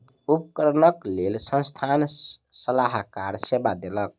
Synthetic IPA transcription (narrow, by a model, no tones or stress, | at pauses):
upkəɾənəklelsə̃nst̪ʰansəlaɦkaɾsebad̪elək̚